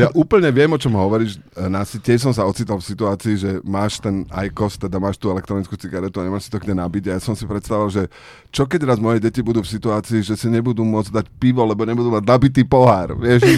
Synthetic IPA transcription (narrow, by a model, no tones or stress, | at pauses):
jaʔuːpl̩ɲɛʋɪɛmɔt͡ʃɔmɦɔʋɔɾiːʃnasitɪɛʃs̬ɔmsaɔt͡siːt̪alfsit̪uaːt͡siːʒɛmaːʃt̪ɛna̰jkɔst̪ɛd̪amaːʃt̪uːɛlɛkt̪ɾɔnit͡skuːt͡siɡaɾɛt̪uaɲɛmaːʃsi̥t̪ɔɡɲɛnabiɟajasɔmsipɾɛt̪st̪aʋuʋalʒɛ | t͡ʃɔkɛɟɾaːzmɔjɛɟɛcibud̪uːfsit̪uaːt͡siːʒɛsiɲɛbud̪uːmʊɔd͡zd̪acpiʋɔlɛbɔɲɛbud̪uːmaɟnabit̪̬iːpɔɦaːɾʋɪɛʃ